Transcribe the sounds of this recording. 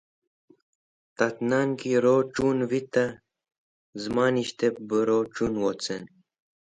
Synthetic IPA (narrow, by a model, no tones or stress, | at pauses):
t̪ɐt̪naːnkiɾoːʈ͡ʂuːnwit̪ɐ | zmaːniɕt̪ep̚bəɾoːʈ͡ʂunwot͡sen